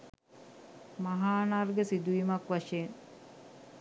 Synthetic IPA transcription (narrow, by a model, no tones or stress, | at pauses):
maɦaːnarɡəsid̪uʋimakʋaʂeːn